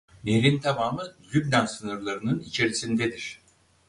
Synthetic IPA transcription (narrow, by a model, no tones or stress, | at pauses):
meɾint̪ʰamaːmɯlʲybd̪ansɯnɯɾlˠaɾɯnɯnit͡ʃʰe̞ɾisind̪ɛd̪iɾ̥